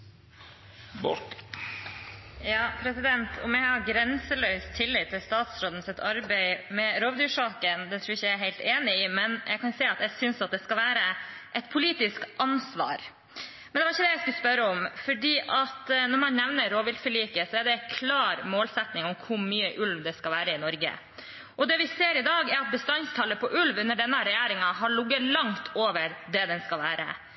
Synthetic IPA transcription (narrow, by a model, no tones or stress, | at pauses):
bɔ | jɑːpʰɾɛsɪd̪ɛnt̪ʰɔ̰mjæhɑɾɡɾɛnsəlœʏst̪ʰɪlːɪt̪ʰːɪlst̪ɑːt̪sɾoːd̪n̩sɪt̪ɑɾbæɪmɛɾoːʋd̪ʉːʂɑːkənd̪ɛt̪ʰɾuːɾɪçəææɦæɪlt̪eːnɪɪmɛnjʔæɪkɑnseːɑt̪jæɪsʏnsɑt̪̚d̪ɛskɑlʋæːɾəʔɛt̪pʰʊliːt̪ɪskʔɑnsʋɑ̰ːɾ | mɛnd̪ɛʋɑɾɪçːəd̪ɛjæɪskʉlspœɾəɔmfɔɖiːʔɑt̪nɔɾmɑnnɛʋnəɾoːʋɪlfəɭiːkəsɔɛɖɛkʰlɑːɾmoːlsɛt̪nɪŋɔmkʰʊɾmyːəʔʉlʋd̪ɛskɑlʋæːɾəɪnɔɾɡə̰ | ʔɔd̪ɛːʋɪseːɾɪd̪ɑːɡɛɾɑt̪̚bəst̪ɑnst̪ʰɑlːəpʰɔʔʉlʋʉnːəɖɛnːəɾɛjæːɾɪŋɑɦɑɭʊɡːəlɑŋt̪ʰoːʋəɾd̪ɛd̪ɛnskɑlʋæːɾə̰